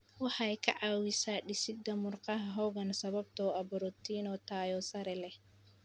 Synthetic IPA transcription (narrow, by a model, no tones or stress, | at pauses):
wɑħajkʰɐ̰ʕɑːwɪsaːɗɪsɪd̪ɐmʊrqɑɦɐɦɔwɣɐnsɐβɐb̚t̪ʰɔːɐbɔɾɔt̪ʰinɔːt̪ʰaːjɔsɐɾɛlɛh